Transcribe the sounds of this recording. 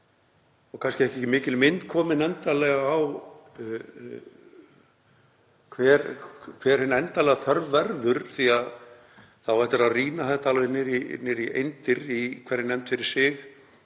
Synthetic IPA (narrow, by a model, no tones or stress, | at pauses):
ɔɣkʰanscɪɛhcɛcɪmɪːcɪlmɪnt̪kʰɔːmɪnɛnt̪alɛɣaːw | kʰvɛːɾkʰvɛɾ̥hɪnːaɛnt̪alɛɣaθœɾvvɛɾðʏɾ̥θiað | θawvajht̪ʏɾaðriːnaθɛht̪aalvenɪɾinɪɾiʔḛjnt̪ɪɾikʰɛɾɪnɛmt̪fɪɾɪɾ̥sɪx